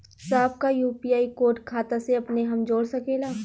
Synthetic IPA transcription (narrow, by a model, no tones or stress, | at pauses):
saːbkajuːpijaːikoːɾʈkʰaːt̪aseɐpneɦɐmd͡ʒoːɽsɐkeːlaː